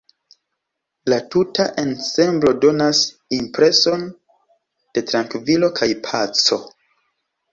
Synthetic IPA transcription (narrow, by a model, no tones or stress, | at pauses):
latutaʔe̞nse̞mblo̞do̞nas | impɾe̞so̞n | d̥e̞tɾaŋkvilo̞kʰajpʰat͡so̞